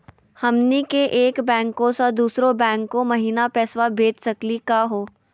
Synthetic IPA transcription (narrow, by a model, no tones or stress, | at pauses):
hɐmnikeʔeːkbɛ̃ːŋkõsad̪uːsɾõbɛ̃ːŋkːomɐɦiːnapɛːswabʱeːd͡ʒsɐklikaɦoː